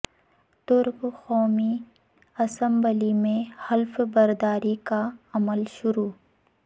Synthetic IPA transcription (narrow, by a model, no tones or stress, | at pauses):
t̪ʊɾqxɔːmi | ɐsə̃mbəlimẽhɐlfbɐɾd̪aːɾikaɐməlʃʊɾuː